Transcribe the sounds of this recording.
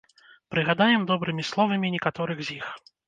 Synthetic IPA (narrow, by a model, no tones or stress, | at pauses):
pɾɨɣad̪ajɛmd̪ɔbɾɨmʲislˠɔvɐmʲinʲɛkat̪ɔɾɨɣzʲjix